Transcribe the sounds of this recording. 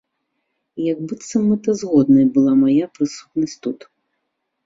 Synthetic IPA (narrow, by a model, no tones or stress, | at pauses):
jaɡbɨt̪sɐmɨt̪ɐzɣɔd̪nɐjbɨlˠamajapɾɨsu̥t̪nɐsʲtʲt̪ut̪